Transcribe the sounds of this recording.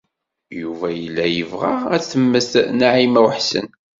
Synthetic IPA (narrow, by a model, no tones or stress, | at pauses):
juvæjəlːæjəvʁaæθəmːəθnaʕimæwħsə̰n